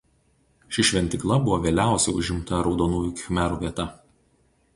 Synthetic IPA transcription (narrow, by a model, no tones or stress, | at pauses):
ʃʲɪʃʲʋʲɛnʲt̪ʲɪklˠɐbʊʋoʋʲeːlʲæˑʊsʲɛɪʊʒʲɪmt̪ɐɾɒʊd̪oːnuːjuˑkʲxʲmʲæɾuːʋʲiɛt̪ɐ